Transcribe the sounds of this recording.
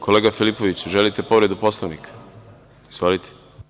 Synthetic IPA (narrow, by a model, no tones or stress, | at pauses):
kʰo̞leːɡafilipo̞ʋit͡ɕuʒe̞lit̪e̞po̞ʋɾed̪upo̞slˠoʋnikḁ | zolit̪ʰe̥